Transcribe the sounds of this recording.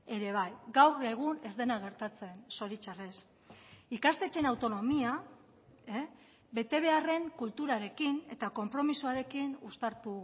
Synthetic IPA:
e̞ɾe̞β̞ajɡawreɣ̞une̞zd̪e̞naɣ̞e̞ɾt̪at͡se̞nso̞ɾit͡ʃare̞s | ikast̪e̞t͡ʃe̞nawt̪o̞no̞mia | e | be̞t̪e̞β̞e̞are̞ŋkult̪uɾaɾe̞kine̞̰t̪ako̞mpɾo̞misoaɾe̞kinust̪aɾt̪u

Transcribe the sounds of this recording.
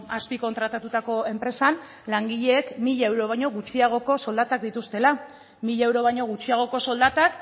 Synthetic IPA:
aspiko̞nt̪ɾat̪at̪ut̪ako̞e̞mpɾe̞san | laŋɡiʎe̞ːkmiʎaewɾo̞βajɲo̞ɣut͡ʃiaɣ̞o̞ko̞so̞ld̪at̪ak̚d̪it̪ust̪e̞la | miʎaewɾo̞βajɲo̞ɣut͡ʃiaɣ̞o̞ko̞so̞ld̪at̪ak

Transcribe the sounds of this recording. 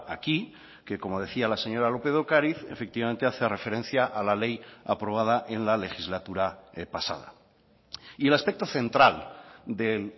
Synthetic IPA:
aki | ke̞ko̞mo̞ð̞e̞θialase̞ɲo̞ɾalo̞peðokaɾiθe̞fek̚t̪iβament̪e̞aθeare̞fe̞ɾen̟θjaʔalale̞japɾo̞β̞að̞aʔe̞nlale̞xizlat̪uɾapasa̰ð̞a̰ | ie̞laspe̞k̚t̪o̞θe̞nt̪ɾald̪el

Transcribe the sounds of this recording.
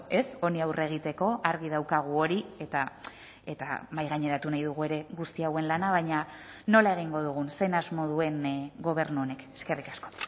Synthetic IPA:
e̞so̞niawrʔe̞ɣ̞it̪e̞ko̞ʔaɾɣið̞awkaɣ̞uo̞ɾie̞t̪a | e̞t̪a̰majɣaɲe̞ɾat̪unajðuɣ̞ue̞ɾe̞ɣust̪iawe̞nlanaβ̞ajɲa | no̞lae̞ɣ̞iŋɡo̞ð̞uɣ̞unse̞nazmo̞ð̞ue̞nɡo̞β̞e̞ɾnuone̞ke̞ske̞rikḁsko̞̥

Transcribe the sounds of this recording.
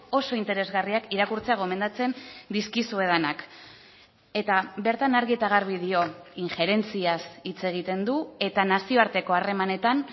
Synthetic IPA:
o̞so̞int̪e̞ɾe̞zɣariakiɾakuɾt͡seaɣ̞o̞me̞nd̪at͡se̞nd̪iskisue̞ðanak | e̞t̪aβe̞ɾt̪anaɾɣiet̪aɣaɾβ̞ið̞io̞iŋxe̞ɾe̞nt͡siasit͡se̞ɣ̞it̪e̞nd̪ue̞t̪anasio̞aɾt̪e̞ko̞are̞mane̞t̪an

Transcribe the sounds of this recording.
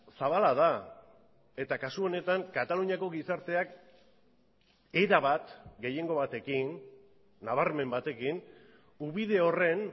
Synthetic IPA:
saβalaða | e̞t̪akasuo̞ne̞t̪aŋkat̪aluɲako̞ɣisaɾt̪e̞ak | e̞ɾaβat̪ɡe̞je̞ŋɡo̞βat̪e̞kinː | aβ̞aɾme̞mbat̪e̞kin | uβiðe̞o̞re̞n

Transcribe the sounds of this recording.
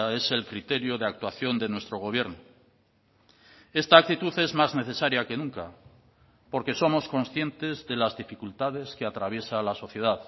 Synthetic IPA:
e̞se̞lkɾit̪e̞ɾjoðeak̚t̪waθjo̞nd̪e̞nwest̪ɾo̞ɣ̞o̞β̞je̞ɾno | e̞st̪aːk̚t̪it̪uθe̞zmazne̞θe̞saɾjake̞nũŋka | po̞ɾke̞so̞mo̞sko̞nsθje̞nt̪e̞zðe̞lazðifikult̪aðe̞skeat̪ɾaβ̞je̞salaso̞θje̞ðað

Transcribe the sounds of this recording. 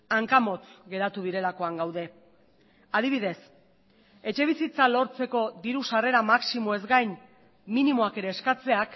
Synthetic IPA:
aŋkamo̞t͡sɡe̞ɾat̪uðiɾe̞lako̞aŋɡawðe̞ | að̞iβ̞iðe̞s | e̞t͡ʃe̞β̞isit͡salo̞ɾt͡se̞ko̞ðiɾusare̞ɾamaksimo̞e̞zɡajnː | inimo̞ake̞ɾe̞ːskat͡se̞ak

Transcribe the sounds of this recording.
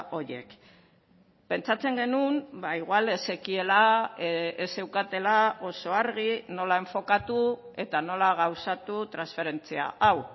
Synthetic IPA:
ʔo̞ɾje̞̰k | pe̞nt͡sat͡se̞ŋɡe̞numbaiɣwale̞se̞kie̞la | ese̞wkat̪e̞lao̞so̞aɾɣino̞lae̞ɱfo̞kat̪u | e̞t̪ano̞laɣ̞awsat̪ut̪ɾansfe̞ɾe̞nt͡sia̰ʔaw

